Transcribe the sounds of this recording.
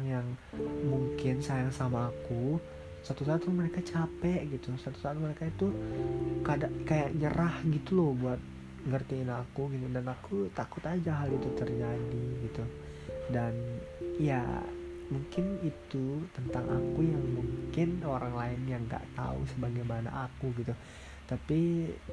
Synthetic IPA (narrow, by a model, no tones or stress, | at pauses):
ŋjaŋmuŋkɪnsajaŋsamaːku | sat̪usaːt̪məɾekat͡ʃapɛʔɡit̪usat̪u̥sat̪məɾekait̪u | kadaʔkajaʔɲə̰ɾʔahɡit̪ulɔbuat̪̚ | ŋərt̪iːnakuɡit̪udanakut̪akʊt̪ad͡ʒaɦalit̪ut̪ərd͡ʒadiɡit̪u | danja̰ | muŋkɪnit̪ut̪ənt̪aŋa̰kujaŋmuŋkɪnoɾaŋlaɪnjaŋɡa̰ʔt̪a̰ṵsəbaɡajmana̰ʔakuɡit̪u | t̪api